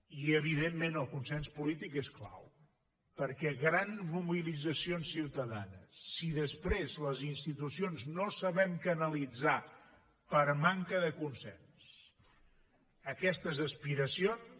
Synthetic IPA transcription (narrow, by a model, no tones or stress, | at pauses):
iəβ̞iðemːenəlˠkunsɛnspulit̪ikeskla̰w | pəɾkɛɣɾanmuβilid͡zəsionsiwt̪əða̰nəsːiðəspɾezləzinst̪it̪usionznosəβɛmkənəlid͡za | pəɾmaŋkəðəkunsɛns | əkɛst̪əzəspiɾəsion